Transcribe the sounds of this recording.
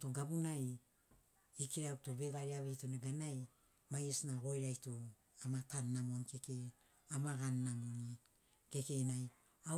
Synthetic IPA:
toɡabunaj | ikiɾatoβe̞ɡaɾiaβejtoneɡanaj | majesnaɡo̞jɾajto | amatanːamonkeke | amaɡanːamoni | ke̞kejnaj | a

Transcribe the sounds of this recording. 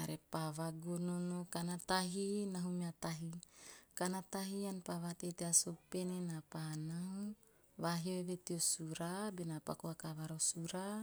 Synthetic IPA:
aɾepaβaɡononokanat̪aɦinaɦumiat̪aɦikanat̪aɦianpaβat̪et̪easopenenapanau | βaɦieβet̪iosuɾabenapakoakaβaɾosuɾa

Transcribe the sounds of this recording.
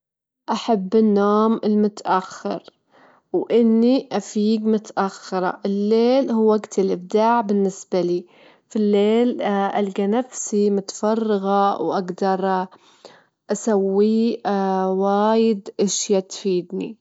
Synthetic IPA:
ʔaħabːɪnːoːmɪlmʊt̪ʔaxːɪ̰ɾ | wʔɪnːiʔafiːɡmʊt̪ʔaxːɪɾˤɑ̰ʔɪlːeːlhuwːaɡt̪ɪlʔɪb̚d̪aːʕbɪnːɪsbaliː | filːeːlʔalɡanafsimʊt̪fɑrˤːɑɣawʔaɡd̪ɑɾˤ | ʔasawːi | waːjɪd̪ʔɪʃjat̪fiːd̪nḭ

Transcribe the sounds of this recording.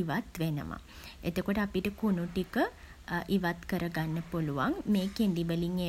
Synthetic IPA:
iʋat̪ʋenə̰mə̰ | ḛt̪okoʈəapiʈəkunuʈikə | ʔiʋat̪kəɾəɡanːəpoluʋaŋmeːkend̪ibəliŋe

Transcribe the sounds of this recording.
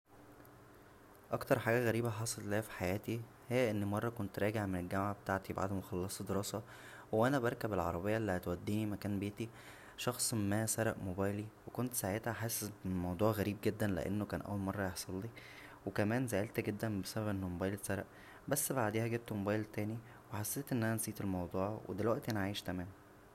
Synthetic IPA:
ʔɑkt̪ɑɾˤħaːɡæɣæɾiːbæħɑːsˤellæːæfi̥ħajæːt̪i | hejːæʔenːmɑrˤːɑkont̪ɾˤæːɡeʕmenelɡæmʕabet̪aʕt̪iba̰ʕd̪moxɑlːɑsˤd̪eɾɑːsɑ | wʔænæbæɾˤkæbelʕɑ̰ɾˤɑbejːæʔlːihæt̪wæd̪ːiːnimækæːnbeːt̪i | ʃɑxsˤmemːæːsæɾˤɑʔmobæːjliwekont̪saʕet̪hæħaːsemɑwd̪ˤuːʕɣæɾiːb̚ɡed̪ːænlḛʔḛnːokæːnʔæ̰wːælmɑrˤːɑjeħsˤɑlːi | wekæmæːnzæʔelt̪æɡed̪ːænbesæbæbʔenːʊmobæːjlsæɾˤɑʔ | bæsːbaʕd̪eːhæɡeb̚t̪mobæːjlt̪æːni | weħasːeːt̪ʔenːʔænænsiːt̪elmɑwd̪ˤuːʕwḛd̪elwæʔt̪ʔænæʕaːjeʃk̪æmæːm

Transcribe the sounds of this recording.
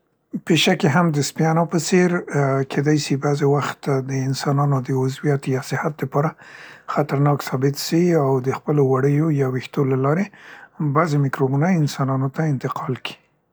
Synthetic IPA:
peʃakeɦamd̪əspjɑnapəseɾkʰed̪ajsibazewaxt̪d̪əɪnsɑnɑnod̪əʊzwijat̪jɑsɪhat̪̚d̪əpɑɾaxat̪aɾnɑksɑbɪt̪siawd̪əxpəlowaɽəjojɑwixt̪olalɑɾebazemɪkɾobunajɪnsɑnɑnot̪aɪnt̪ɪqɑlki̥

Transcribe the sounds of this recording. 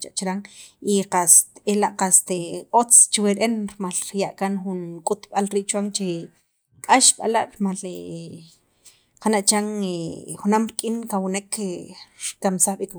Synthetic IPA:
t͡ʃaʔt͡ʃɾaŋiqast̪elaʔqast̪eot͡st͡ʃweɾʔenɾmalɾjaʔkanχunkʼut̪ɓalɾiːʔt͡ʃwaŋt͡ʃe | kʼaʃɓa̰laʔɾmale | qanaʔt͡ʃaŋexunamɾikʼinkawnekeɾkamsaχɓik

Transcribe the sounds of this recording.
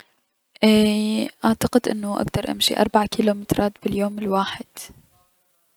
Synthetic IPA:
ʔiʔaʕt̪aqɪd̪ʔɪ̰nːʊʔa̰ɡd̪ɑɾˤʔa̰mʃḭʔɑ̰ɾˤbaʕkilumɪt̪ɾˤʔɑːt̪bɪljoːmɪlwaːħɪd̪̥

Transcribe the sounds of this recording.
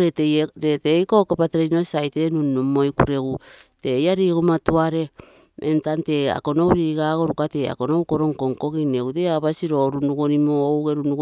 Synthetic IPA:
ɾeteɾetejkokepateɾeinosajtenunːumːojkṵɾe̞ɡute̞jaɾiɡomatuaɾe̞ | ʔentante̞a̰konowɾiɾiɡaɡo̞ɾukate̞a̰ko̞nowkoɾo̞ŋko̞ŋko̞ɡineɡuteaβasiɾo̞ɾunuɡonimoːwɡeɾunuɡ

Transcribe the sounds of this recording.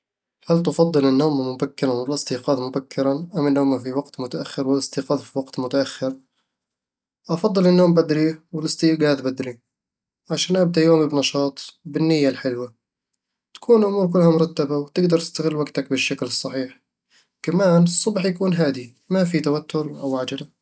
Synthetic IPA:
halt̪ɑfɑðˤːɨlʔɪnːoːmmʊbakːɪɾˤanmɪlɪst̪iːqɑːðˤmʊbakːɪɾanʔamːʔɪnːʊmafiwaɡt̪mʊt̪aʔaxːɪɾwɪlʔɪst̪iːqɑːðˤfiwaɡt̪mʊt̪aʔaxːɪɾ | ʔɑfɑðˤːɨlʔɪnːoːmbad̪ɾiwɪlɪst̪iːɡaːðbad̪ɾi | ʕaʃaːnʔab̚d̪aʔjoːmibnɑʃɑːt̪ˤbɪnːɪjːalħɪlwa | t̪ḁkʰuːnlʔʊmuːɾk̬ɪlːhamʊɾˤɑt̪ːabawt̪ɪɡd̪ɑɾˤt̪ɪ̥st̪aɣɪlːwaɡt̪akbɪʃːaklɨsˤːɑħiːħ | kamaːnɨsˤːʊbħjakuːnɦaːd̪i | mafit̪awat̪ːʊɾʔawʔaʕd͡ʒɪla

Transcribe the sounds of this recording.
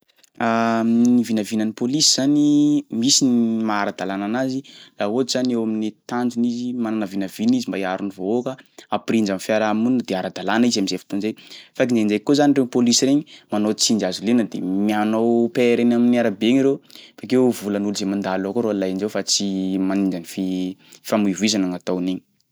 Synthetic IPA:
anivinavinanipolisiz̥animisinimaaɾad̪alananazilaot̪z̥anewaminit̪and͡ʒunizimananavinavinizimbaiaɾunivookəaprind͡ʒamfjaɾamund̪eaɾad̪alanizaminzefi̥t̪onzefak̬ind͡ʒend͡ʒekozaniɳɖ͡ʐew̪polisiɾeɲimanot͡sind͡ʒazulenəd̪ḛmianowpeɾenaminiaɾabeŋiɾewfakewvulənuluzemand̪alakoɾolajind͡ʒewfat͡simanind͡ʒanififamuivuizanaŋat̪aneɲi̥

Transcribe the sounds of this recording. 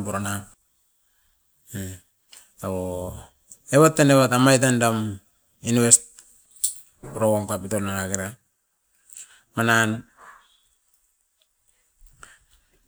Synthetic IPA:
puɾona | e | aβo | eβatːeneβatamajt̬andam | inwest̚ | puɾoɡomkapitolnaɾakiɾa | manan

